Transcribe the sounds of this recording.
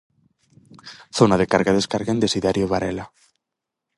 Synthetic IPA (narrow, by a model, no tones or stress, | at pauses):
θonaðekaɾɣaðeskaɾɣaend̪esiðaɾjoβaɾela